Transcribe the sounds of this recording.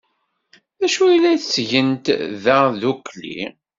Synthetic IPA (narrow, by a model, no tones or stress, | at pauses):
æʃujlːæθt͡sːʝənt̪ðəðuklḭ